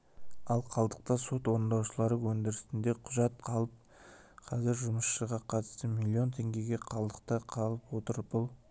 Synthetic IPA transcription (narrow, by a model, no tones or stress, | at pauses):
ɑlˠqʰɑlˠd̪əq̚t̪ɑso̞t̪wo̞ɾənd̪ɑwʃəlˠɑɾəwɵnd̪ɪɾɪst̪ɪnd̪e̞qʰʊʒɑt̪̚qʰɑlˠəp̚ | qʰɑzɪɾʒʊməsʃəʁɑqʰɑt̪ə̥st̪əmilʲːio̞nt̪ʰe̞ŋɡʲe̞ɡʲe̞qʰɑlˠd̪əq̚t̪əqʰɑlˠəpwot̪əɾəpbʊlˠ